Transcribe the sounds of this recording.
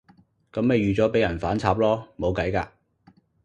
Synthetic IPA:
kɐ˨˥mme˨jɥyː˨t͡sɔː˨˥pe˨˥jɐ˨˩nfaː˨˥nt͡sʰaː˧p̚lɔː˥mo˨˧wkɐ˨˥jkaː˧

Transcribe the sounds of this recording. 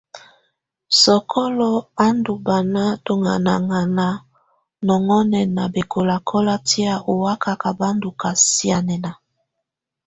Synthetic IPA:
sɔ˨kʰɔ˦lɔ˦a˦ndu˨ba˨na˦to˨ŋa̰˨na˨ŋa˨na˨ | nɔ˨ŋɔ˦nɛ˨na˨be˨kʰo˨la˨kʰɔ˦la˦ti˦a˦ʔo˨wa˦ka˨ka˨ba˦ndu˨ka˨si˦a˨nɛ˨na˨

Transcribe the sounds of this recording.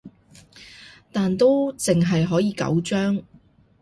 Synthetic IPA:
t̪aː˨nt̪o˥wt͡sɪ˨ŋɦɐ˨jɦɔː˨˥jiː˨˧kɐ̰˨˥wt͡ʃœː˥ŋ

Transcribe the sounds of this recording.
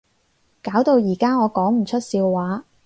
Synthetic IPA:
kaː˨˥wt̪o˧wjiː˨˩kaː˥ŋɔː˨˧kɔː˨˥ŋm̩˨˩t͡ʃʰɵ˥t̚siː˧wwaː˨˥

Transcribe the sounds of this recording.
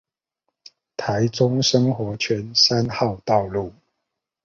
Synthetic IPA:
t̪ʰa˨˦ɪt͡sʊ˦ŋʂɤ˥ŋxwɔ˧˥t͡ɕʰɥɛ˦˥nsa˦nxɑ˥˨ʊt̪ɑ˥˨ʊlu˥˩

